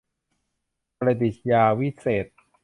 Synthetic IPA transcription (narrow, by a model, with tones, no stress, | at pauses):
ɾa˧t̪i˨˩t̪̚jaː˧wi˦˥seː˨˩t̪̚